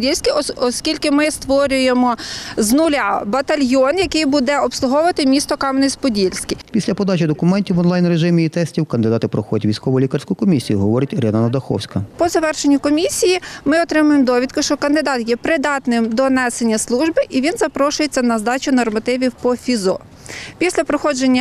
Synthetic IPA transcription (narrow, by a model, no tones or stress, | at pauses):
dʲilʲsʲkʲɪɔɔskʲilʲkɪmɪst̪ʋɔɾʲʊjemɔznʊlʲɑbɐt̪ɐlʲjɔnjɐkɪjbud̪ɛɔpslˠʊɦɔʋɐt̪ɪmʲist̪ɔkɑmnɪjspɔdʲilʲsʲkʲɪpʲisʲlʲɐpɔd̪ɑt͡ʃid̪ɔkʊmɛnʲtʲiwɔnlˠɑjnreʒɪmʲiːt̪ɛsʲtʲiwkɐnd̪ɪd̪ɑt̪ɪpɾɔxɔdʲɐtʲʋʲijsʲkɔʋɔjlʲikɐrsʲkʊjʊkɔmʲisʲijiɦɔʋɔɾɪtʲɾɛnɐnɐd̪ɐxɔ̰wsʲkɐpɔzɐʋɛrʃenʲːɐkɔmʲisʲijimɪɔt̪ɾɪmʊjemd̪ɔʋʲid̪̚kʊʃt͡ʃɔkɐnd̪ɪd̪ɑt̪jɛpɾɪd̪ɑt̪nɪmd̪ɔnɛsenʲːɐslˠuʒbɪʔiʋʲinzɐpɾɔʃʊjet͡sʲːɐnɐzd̪ɑt͡ʃʲʊnɔrmɐt̪ɪʋʲiwpɔfʲizɔ | pʲisʲlʲɐpɾɔxɔd͡ʒenʲːɐ